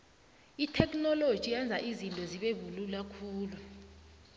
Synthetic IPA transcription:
itʰɛkʼnɔlod̥ʒ̥ʱijand͡zʱaʔizintʼɔziɓevululakʰuːlu

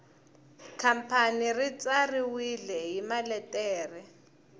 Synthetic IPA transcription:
kʰam̩pʰanirit͡sʼariwilɛɦimalɛtʼɛːrɛ

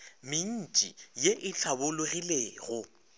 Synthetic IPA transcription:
mɪn̩t͡ʃʼḭjeʔɪt͡ɬʰabʊlʊɣileːɣʊ

